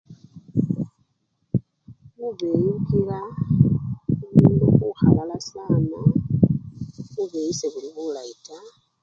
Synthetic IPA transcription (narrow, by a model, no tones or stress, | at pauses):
muβejukiɾa | umuːnduɣuxalalasaːno | βuβejiseβuliβulaita